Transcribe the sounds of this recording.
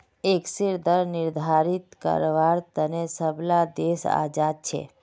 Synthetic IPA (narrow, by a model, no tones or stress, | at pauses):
eksiɾd̪əɾnɪɾd̪ʱaɾit̪kə̰ɾʋaɾt̪ənesəbʱlad̪esa̰d͡ʒad̪̚t͡ʃʰḛ